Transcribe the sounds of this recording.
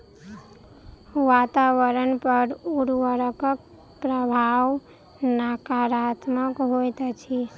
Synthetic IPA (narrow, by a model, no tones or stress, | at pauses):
ʋat̪aʋəɾənpəɾuɾʋəɾəkək̚ | pɾəbʱaʋ | nakaɾat̪məkɦojt̪t͡ʃʰi